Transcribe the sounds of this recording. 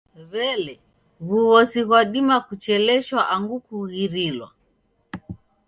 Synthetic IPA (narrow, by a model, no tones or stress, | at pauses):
βɛlɛ | βuβɔsiɣwaɗimakut͡ʃɛlɛʃwaʔaŋɡukuɣiɾilwa̰